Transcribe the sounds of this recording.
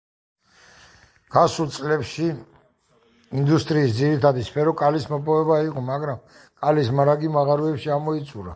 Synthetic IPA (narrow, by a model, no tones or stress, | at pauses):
ɡ̥asulˠt̪sʼlɛpʃi | ind̪ust̪ʼɾiːsd̪ziɾit̪ʰad̪ispʰɛɾɔkʼalismɔpʼɔvɛbaiqʼɔmaɡɾam | kʼalismaɾaɡimaʁaɾuɛpʃiamɔit̪sʼuɾa